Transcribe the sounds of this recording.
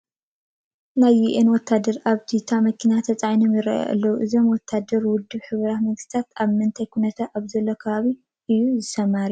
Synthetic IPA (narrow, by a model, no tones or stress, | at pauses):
najːiʔenwɔt̪ʰːad̪ɐɾʔaβt̪ʰit̪ʰamɐkʰinat̪ʰɐt͡sʼajnimɨɾɐ̰ʔɐ̰lːɐwuʔɨzo̞mwɔt̪ʰːad̪ɐɾwʊd̪ːɨβħɨβɾamɐŋɡɨst̪ʰat̪aβmɨnt̪ʰajkʰunɐt̪ʰaʔaβzɐlːokʰɐβaβi | ʔɨjuzɨsɐmaɾiju